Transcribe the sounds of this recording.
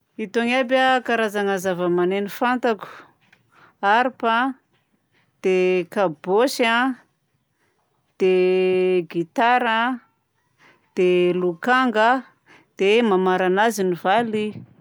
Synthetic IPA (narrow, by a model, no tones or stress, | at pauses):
it̪oŋabəkaɾazaŋazavəmanenifant̪aku̥ | aɾpa | d̪̥ekabosa | d̪̥e | ɡit̪aɾə | d̪̥elukaŋɡə | d̪̥emamaɾanazinivali